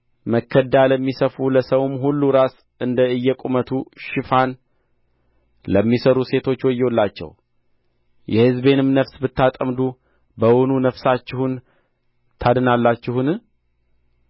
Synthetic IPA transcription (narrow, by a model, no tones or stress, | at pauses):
məkʰːəd̪aləmːisəfuləsəwmɦulːuɾas | ʔɨnd̪əɨjːɛkʼumət̪ʰuʃɪfan | ləmːisəɾuse̞t̪ʰo̞t͡ʃːwɔjːɛwolːat͡ʃːɛ̰w | jʔɛhɨzbe̞nɨmnəfsbɨt̪ːat̪ʼəmd̪u | bəwonunəfsat͡ʃːɪhun | t̪ʰad̪ɨnalːat͡ʃːɪhunɨ